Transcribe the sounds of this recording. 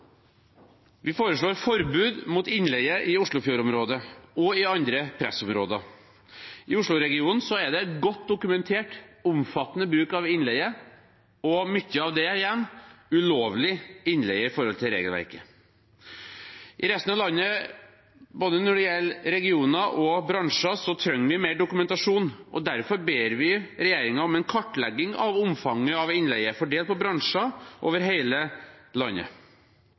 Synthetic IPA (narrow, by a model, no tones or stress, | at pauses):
ʋɪfoːɾəʂɭoːɾfɔɾbʉːd̪mʊt̪ɪnlɛɡəʔɪʊʂɭʊfjuːɾɔmɾoːd̪əɔɪɑnd̪ɾəpʰɾɛ̰sɔmɾoːd̪ə | ʔɪʊʂɭʊɾɛɡɪuːnn̩sɔæɖ̪ɛt̪ɡɔt̪ːd̪ʊkʉmɛnt̪ʰeːʈʊmfɑt̪ːənəbɾʉːkɑʋɪnlɛɪə | ɔmʏtːəɑʋd̪ɛjɛmːʉloːʋlɪɪnːlɛɡəɪfɔɾhɔlt̪ʰɪɾḛːɡəlʋæ̰ɾkə | ʔɪɾɛst̪ənɑʋlɑnːə | boːd̪ənɔɖɪjɛlːɾɛɡɪuːnɑʔɔbɾɑŋʂɑsɔt̪ʰɾœŋːʋɪmeɪɖʊkʉmɛnt̪ɑʂuːnʔɔ̰d̪æɾfɔɾbeːɾʋɪɾɛjeːɾɪŋɑɔmɛnkʰɔʈːlɛɡːɪŋɑ̰ʋʊmfɑŋːəɑʋɪnlɛɡəfɔɖeːlt̪̚pʰɔbɾɑŋʂɑʔo̰ːʋəɾɦeɪləlɑnːə̰